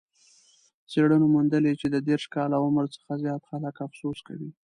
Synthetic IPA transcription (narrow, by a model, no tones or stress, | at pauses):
seɽənomund̪əlet͡ʃed̪əd̪eɾʃkɑlawʊməɾt͡sə̥xazjɑt̪xaləkafsoska̰wi